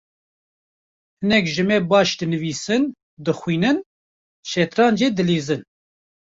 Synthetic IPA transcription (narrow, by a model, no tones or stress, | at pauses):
hɨnɛkʒɨmɛːbɑːʃd̪ɨnɨviːsɨn | d̪ɨxwiːnɨn | ʃɛt̪ɾɑːnd͡ʒeːd̪ɨleːzɨn